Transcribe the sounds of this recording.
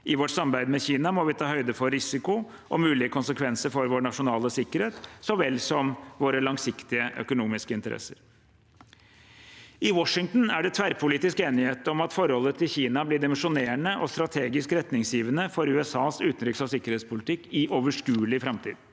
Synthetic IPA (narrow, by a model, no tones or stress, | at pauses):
ʔɪʋɔʈsɑmbæɪd̪mɛçiːnɑmɔʋɪt̪ʰɑːhœʏd̪əfɔɾɾɪsɪkʊ | ʔɔmʉːlɪəkʰʊnsəkʰʋɛnsəɾfɔɾʋoːɳɑʂʊnɑːləsɪkːəɾheːt̪sɔʋɛlːsɔmʋoːɾəlɑŋsɪkt̪ɪəʔœ̰kʊnuːmɪskəɪnt̪əɾʔɛ̰səɾ | ɪwɔʂɪŋt̪n̩æɖɛt̪ʰʋæɾpʰʊliːt̪ɪskeːnɪheːt̪ɔmɑt̪fɔɾhɔlːət̪ʰɪlçiːnɑblɪɖ̪ɪmənʂʊneːəɳəʔɔst̪ɾɑt̪ʰeːɡɪskɾɛt̪nɪŋsjiːʋənəfɔɾʉːɛsɑːsʉːt̪n̩ɾʏksɑʋsɪkːəɾheːt̪spʊlɪt̪ʰɪkːɪʔoːʋəʂkʉːlɪfɾɑmt̪ʰḭːd̪